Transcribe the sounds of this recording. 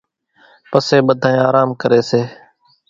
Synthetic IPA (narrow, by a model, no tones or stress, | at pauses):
pəseːɓəd̪ʱaːẽːaːɾaːmkəɾeːseː